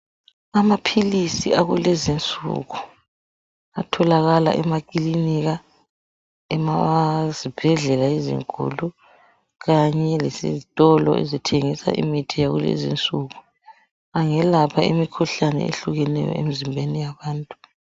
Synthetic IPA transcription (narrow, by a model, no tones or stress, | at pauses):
amapʰilisḭaɣulezint͡sʼṵɣu | atʰɔlaɣala̰ʔɛmak̬ʼiliniɣa | ɛmazib̥ʱɛɮɛlaizḭŋkʼṵlu | ɣaɲɛlesḭzitʼɔlɔ̰ʔḛzitʰeŋisa̰ʔḭmitʰijaɣṵlḛzḭnt͡sʼuɣu | aŋɛlapʰaimikʰuɬanɛ̰ḛɬuɣɛnɛ̰jɔ̰ḛmizimbʱenijaβaːntʼu